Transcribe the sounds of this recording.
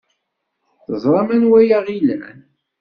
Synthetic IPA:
θəzˤɾˤɑmænwæjaʁilæ̰n

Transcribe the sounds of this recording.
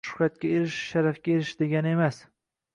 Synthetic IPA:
ʃʊ̥hɾat̪̚kʲaeɾɪʃʃaɾafkʲaeɾɪʃd̪e̞ɡʲanɪe̞mas

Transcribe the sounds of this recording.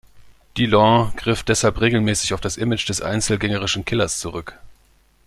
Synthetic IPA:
d̥ilɔ̃ɡ̥ʁɪfd̥ɛshalpʁeːɡl̩mɛːsɪçaʊfd̥asʔɪmɪt͡ʃd̥ɛsʔa̰ɪnt͡sl̩ɡɛŋəʁ̞ɪʃn̩kʰɪlɐst͡suʁʏk

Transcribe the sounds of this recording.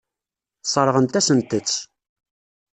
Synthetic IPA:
sˤɑɾˤʁənt̪æsənt̪ət͡sː

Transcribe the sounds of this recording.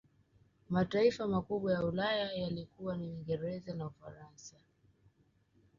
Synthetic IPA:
mataifamakuɓwajaulajajalikuwaniwiŋɡɛɾɛzanaufa̰ɾansa

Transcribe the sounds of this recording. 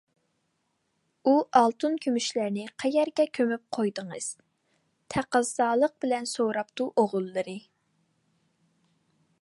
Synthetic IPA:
uʔɑlˠt̪ʰunkʲʰymyʃlæɾnɪqʰɛjɛɾɡʲɛkʲʰømyp̚qʰojd̪əŋɨz̥ | t̪ʰæqəzːɑːlˠəq̚b̥ɪlɛnsowɾɑpt̪uʔoʁʊlˠːɨɾɨ

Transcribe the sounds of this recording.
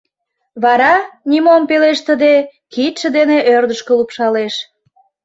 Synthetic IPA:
βɑɾɑnʲimompeleʃt̪əd̪ekit̪ʃə̆d̪eneʔørd̪əʃkəlupʃɑleʃ

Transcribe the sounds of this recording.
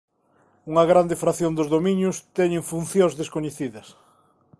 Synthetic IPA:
uŋɐɣɾand̪efɾaθjond̪ʊzðomĩɲʊst̪ɛɲẽŋfunθjõŋzðeskoɲeθiðɐs

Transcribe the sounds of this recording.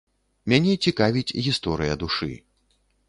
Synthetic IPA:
mʲanʲɛt͡sʲikavʲit͡sʲɣʲist̪ɔɾɨjɐd̪uʂɨ̰

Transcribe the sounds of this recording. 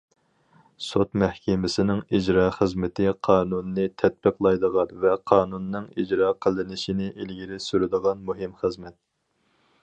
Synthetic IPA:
sot̪mɛhkʲʰɪmɪsɪnɪŋid͡ʒɾɑːχəzmɪt̪ʰɪqʰɑːnunːɨt̪ʰɛt̪̚bəqlˠɑjd̪əʁɑnvɛqʰɑːnunːɨŋid͡ʒɾɑːqʰəlˠɨnɪʃinɪʔilɡʲiɾɪsyɾɪd̪əʁɑnmuɦɪmχəzmɛt̪̚

